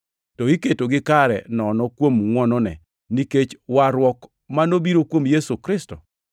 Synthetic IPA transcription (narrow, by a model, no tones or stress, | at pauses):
tɔiketoɡɪkaɾɛ̰nɔnɔkwomŋwɔnɔnɛ̰ | niket͡ʃwaɾwɔk | manobiɾokwomjesukɾɪstɔ̰